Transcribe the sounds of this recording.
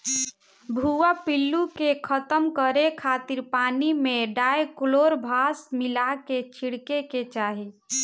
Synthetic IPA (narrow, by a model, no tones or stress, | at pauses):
bʱuapilːukekʰət̪əmkəɾekʰat̪iɾpanimeɖajkloɾbʱasmilaket͡ʃʰiɽkeket͡ʃaɦi